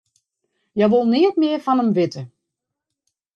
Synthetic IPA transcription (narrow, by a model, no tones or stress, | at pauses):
jɛjʋolˠnɪətmɪərfanəmʋɪtə